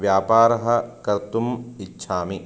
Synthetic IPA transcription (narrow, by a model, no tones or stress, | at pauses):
ʋjaːpaːɾɐɦɐ̆kɐɾt̪umitːʃʰaːmi